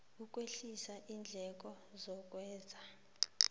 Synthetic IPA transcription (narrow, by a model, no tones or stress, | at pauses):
uk̬ʼweɬisaʔiːnd͡ɮʱɛk̬ʼɔ | zɔk̬ʼwɛːzʱa